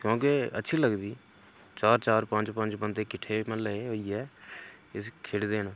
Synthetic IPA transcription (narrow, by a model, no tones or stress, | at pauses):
kjõːkeə̰tːʃʰiːləɡd̪iː | t͡ʃaːɾt͡ʃaːɾpə̃nd͡ʒpə̃nt͡ʃpə̃nt̪ekɪʈʰːeːmə̃ləeːɦoːiːɛː | ɪskʰeɽd̪eːnãː